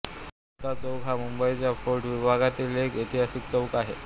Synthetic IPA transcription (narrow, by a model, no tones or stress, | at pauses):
ut̪at͡səwkɦamumbəjt͡ɕjapoɾʈʋibʱaɡat̪ilekit̪ʰiɦasikt͡səwkaɦḛ